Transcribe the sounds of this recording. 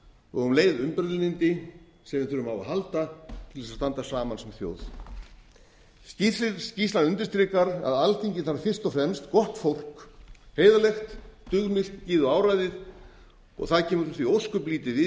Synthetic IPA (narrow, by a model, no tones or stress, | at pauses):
ɔ̰ɣʏnleːjðʏmpɛɾðlɪnɪnt̪ɪ | sɛmvɪθʏɾʏmawaɦalt̪at̪ʰɪlvɛsast̪ant̪asaːmansɛmθjo̰ːwð | sciɪsciːst̪lanʏnt̪ɪ̥st̪ɾɪːkaɾa̰ðalθʰiɲcɪnθaɾfɪr̥st̪ɔfɾɛmst̪kɔht̪fowl̥kheːjðalɛxt̪t̪ʏɣmɪlt̪cɪːðʏaːwɾajðɪð | ɔ̰ɣθaðcʰɛːmʏɾθviowskʏpliːt̪ɪvɪ